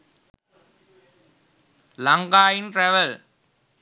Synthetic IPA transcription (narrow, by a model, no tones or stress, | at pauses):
lɐŋɡaːjɪnʈɾɛʋɐl